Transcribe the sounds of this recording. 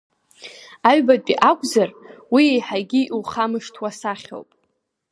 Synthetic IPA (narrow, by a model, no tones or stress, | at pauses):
aɥbatʼiʔakʷʼzarwiejħaɡʲiʔuχamɨʂtʰwasaχʲo̰wpʼ